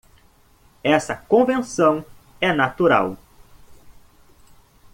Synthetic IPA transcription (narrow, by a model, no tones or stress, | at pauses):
ɛsɐkõvẽnsɐ̃w̃ | ɛnat̪uɾa̰w